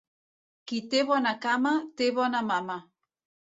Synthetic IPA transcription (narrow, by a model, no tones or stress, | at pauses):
kit̪eβonakamat̪eβonamama